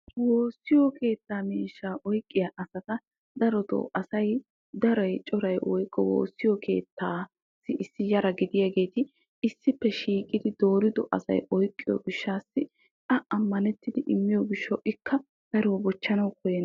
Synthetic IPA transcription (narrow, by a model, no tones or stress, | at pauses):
woːsːɪjɔke̞ːt̪ːaːmiːʃːaːʔɔjkʼːɪjɐʔɐsɐt̪ɐ | d̪ɐɾɔt̪ɔ̰ʔɐsɐj | d̪ɐɾɐjt͡ʃʼɔɾɐjʔɔjkʼːɔwo̰ːsːɪjɔkʰe̞̰ːt̪ːaː | sːɪʔɪsːɪjɐɾɐɡɪd̪ɪjaɡe̞ːt̪ɪ | ɪsːɪpːɛʃiːkʼɪd̪ɪd̪o̞ːɾɪd̪ɔ̰ʔɐ̰sɐ̰jɔjkʼːɪjɔ̰ɡɪʃːaːsːɪ | tɐɐmːɐnɛt̪ːɪd̪ɪʔɪmːɪjɔɡɪʃːɐwʔɪkːɐ | ɡ̪̥ɐɾɔwbɔt͡ʃːɐnɐwkɔjɛn